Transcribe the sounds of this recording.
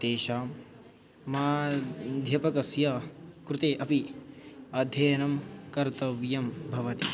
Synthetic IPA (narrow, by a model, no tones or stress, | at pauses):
t̪eːʃaːmː | aːd̪ʱjɐpɐkɐsjaːkɾɪt̪eːʔɐpi | ɐd̪ʱjɐːɐnɐmkɐɾt̪ɐʋjɐmbʱɐʋɐt̪i